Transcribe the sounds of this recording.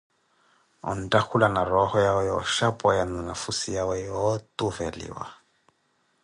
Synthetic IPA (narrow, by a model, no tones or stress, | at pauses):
ɔ̰n̩tʼakʰulanaɾɔhɔjawɛjɔʃapʼɔjaninafusijawɛɔt̪ʼuvɛlḭwa̰